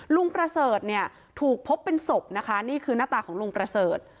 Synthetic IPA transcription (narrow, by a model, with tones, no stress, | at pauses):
lu˧ŋpɾa˧sɤː˨˩t̪̚ni˥˩ɐ | t̪ʰuː˨˩k̚pʰo˦˥pːe˧nso˨˩p̚na˦˥kʰa˦˥niː˥˩kʰɯː˧naː˦˥˩t̪aː˨˩kɔː˩˦ŋlu˧ŋpɾa˧sɤː˨˩t̪̚